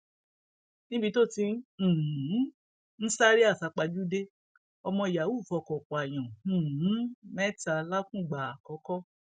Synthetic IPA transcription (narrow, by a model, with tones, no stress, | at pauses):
nĩ˦bi˧to˦˨tĩ˧˦˨ | n̩˦sa˦ɾi˦a˦˨sa˧k͡pa˧d͡ʒu˦de˦ | ɔ˧mɔ̃˧i˨ja˨wu˦˨fɔ˧˨kɔ˨k͡pɔ˨a˨j̃ɔ̃˨˦mɛ˦ta˧˨la˦kũ˦˨ɡ͡ba˨a˨kɔ˨˦kɔ˦